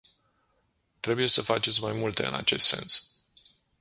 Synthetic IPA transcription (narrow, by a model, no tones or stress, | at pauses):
t̪ɾe̞buje̞səfat͡ʃe̞t̪sʲmajmult̪e̞ɨ̰na̰t͡ʃe̞̰st̪se̞̰ns